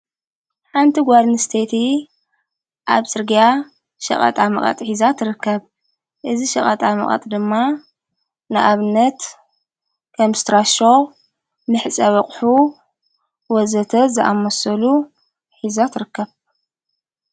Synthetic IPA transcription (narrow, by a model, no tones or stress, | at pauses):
ħant̪ʰiɡʷad̪nɨst̪ʰet̪ʰi | ʔaβsʼɨɾɡija | ʃɐ̰χʼɐ̰t̪ʼamɐ̰χʼɐ̰t̪ʼħizat̪ʰɨɾɨkːɐβ | ʔɨziʃɐχʼɐt̪ʼamɐ̰χʼɐ̰t̪ʼd̪ɨmːa | nɨʔaβɨnːɐt̪ | kʰɐmst̪ɾaʃo | mɨħt͡sʼɐβɐχʼħu | wɔzɐt̪ʰɐzɨʔa̰mɐsɐlu | ħizat̪ʰɨɾɨkːɐβ